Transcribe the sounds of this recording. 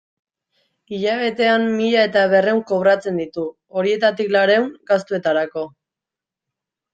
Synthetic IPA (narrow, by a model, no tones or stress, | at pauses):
iʎaβe̞t̪e̞ammiʎae̞t̪aβ̞e̞re̞uŋko̞β̞ɾat͡se̞nd̪it̪u | o̞ɾie̞t̪at̪iklaɾe̞wŋɡast̪ue̞t̪aɾako̞